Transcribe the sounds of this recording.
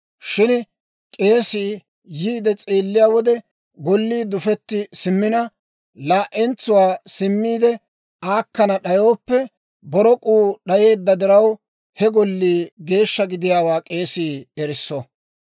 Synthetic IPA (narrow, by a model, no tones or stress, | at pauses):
ʃɪn | kʼe̞ːsiː | jiːd̪ɛt͡sʼeːlːɪjaːwɔd̪ɛ | ɡɔlːiːd̪ʊfɛt̪ːɪsɪmːɪnɐ | laːʔɛnt͡sʊwaːsɪmːiːd̪ɛ | aːkːɐnɐɗɐjo̞ːpːɛ | bɔɾɔkʼuːɗɐje̞ːd̪ːɐd̪ɪɾɐw | hɛɡɔlːiːɡe̞ːʃːɐɡɪd̪ɪjaːwaːkʼe̞ːsiːɛɾɪsːɔ